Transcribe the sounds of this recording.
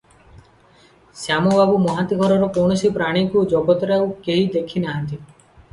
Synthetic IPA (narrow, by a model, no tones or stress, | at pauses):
sjamɔbabumɔɦat̪iɡʱɔɾɔɾɔkɔɳɔsipɾaɽ̃ikud͡ʒɔɡɔt̪ɔɾaukeɦid̪ekʰinaɦant̪i